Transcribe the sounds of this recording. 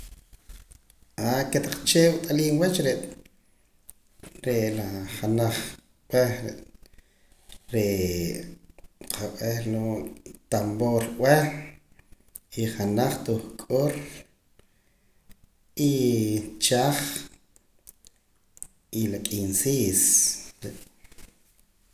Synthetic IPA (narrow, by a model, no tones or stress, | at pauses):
aket̪aq͡χt͡ʃeːwt̪ʼaliːnwat͡ʃɾeʔ | ɾeʔlaχanaχ | ɓ̥weɾe | ɾe | qʰaɓʼehloʔt̪amboɾʔʼwe | iχanaχt̪uχkʼoɾ | i | t͡ʃaχ | ilakʼinsiːsɾeʔ